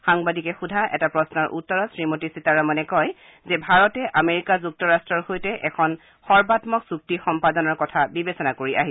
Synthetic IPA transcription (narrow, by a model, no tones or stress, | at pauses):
xaŋbadikɛxudʱaʔɛ̰tapɹɔsnɔɹʔṵtːɔɹɔsɹimotisitaɹamɔnɛkɔj | zɛbʱaɹɔtɛʔameɹikazuk̚tɔɹastɹɔɹhojtɛʔɛkʰɔn | xɔɹbatmɔksuk̚tixɔmpadɔnɔɹkɔtʰabibesɔnakoɹiʔa̰ɦi